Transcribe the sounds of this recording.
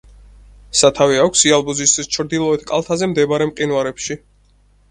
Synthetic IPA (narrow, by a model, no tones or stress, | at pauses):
sat̪ʰaviakʷʰsialˠbuzist̪ʰwist͡ʃʰɾd̪ilˠɔɛt̪ʰkʼalˠt̪ʰazɛmd̪ɛbaɾɛmqʼinwaɾɛpʃi